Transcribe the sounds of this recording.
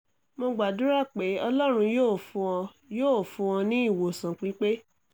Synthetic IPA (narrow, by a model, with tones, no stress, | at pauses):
mo˧ɡ͡ba˨dũ˦ɾa˦˨k͡pe˨˦ɔ˧lɔ˦ɾ̃ũ˧joː˦˨fũ˧ɔ̃˧ | joː˦˨fũ˧ɔ̃˧nĩ˦i˦˨wo˨sã˨k͡pi˨˦k͡pe˦